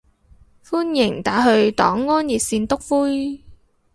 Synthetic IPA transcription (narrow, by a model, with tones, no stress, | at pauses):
fuː˥njɪ˨˩ŋt̪aː˨˥ɦɵ˧ɥt̪ɔ̰ː˨˥ŋːɔː˥nji˨t̚siː˧nt̪ʊ˥k̚fuː˥j